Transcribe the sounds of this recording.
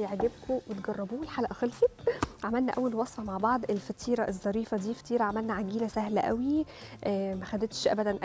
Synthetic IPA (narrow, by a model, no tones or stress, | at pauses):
jeʕɡebkʰowet̪ɡɑrˤːɑbuːwelħalæʔæxelfet̪ʕamælnæʔæwːælwɑsˤfɑmaʕbɑʕd̪ˤʔelfæt̪ʰiːɾˤɑʔezˤːɑɾiːfæd̪iːfæ̥t̪iːɾˤɑʕamælnæʕaɡiːnæsæhlæʔæ̰wiʔːmæxæd̪et̪ʃʔæ̰bæd̪ænʔ